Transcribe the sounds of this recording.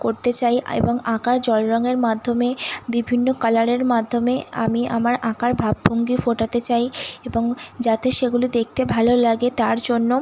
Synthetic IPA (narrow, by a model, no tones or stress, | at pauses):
koɾt̪et͡ɕajḛboŋakaɾd͡ʑɔlɾɔŋeɾmad̪ʱːomebibʱinːokalaɾeɾmad̪ʱːomea̰mia̰maɾakaɾbʱabːoŋɡifoʈat̪et͡ɕajeboŋd͡ʑat̪eʃeɡulid̪ek̚t̪ebʱalolaɡet̪aɾd͡ʑonːo